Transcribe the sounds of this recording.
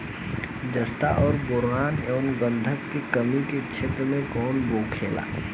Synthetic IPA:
d͡ʒəst̪aʔɔːɾbʊɾaːnɛːnɡə̃nd̪ʱəkːekəmiket͡ʃʰet̪ɾəmẽkɔːnboːkʰeːla̰ː

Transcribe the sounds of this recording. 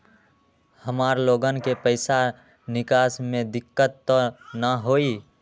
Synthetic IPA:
həmaːɾloːɡənkepəɪsa | nɪkaːsmẽd̪ɪkːət̪ːɔnəɦoːi

